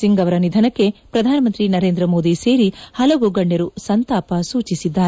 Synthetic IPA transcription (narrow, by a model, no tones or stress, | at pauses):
siŋɡɐʋɐɾɐnid̪ʱɐnɐkːe̞pɾɐd̪ʱaːnɐmɐnt̪ɾinɐɾeːnd̪ɾɐmo̞ːd̪ise̞ːɾihɐlɐʋuɡɐɳɖɐɾusɐnt̪aːpɐsuːt͡ʃisid̪ːaːɾe